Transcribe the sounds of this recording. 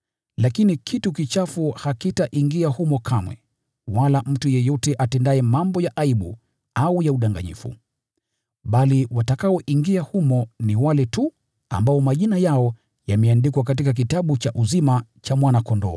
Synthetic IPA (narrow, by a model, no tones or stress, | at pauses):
lakinikʰitukit͡ʃafuhakitaʔiŋɡiahumɔkʰamwɛ̰ | walam̩tujɛjɔtɛʔatɛndaɛmambɔjaʔaiɓu | aujauɗaŋɡa̰ɲḭfṵ | ɓaliwatakaɔʔiŋɡiahumɔniwalɛtu | a̰mbaɔmaʄinajaɔ | jamɛandikwak̬at̬ikak̬itaɓut͡ʃaʔuzimat͡ʃamwanakɔndɔ̰ː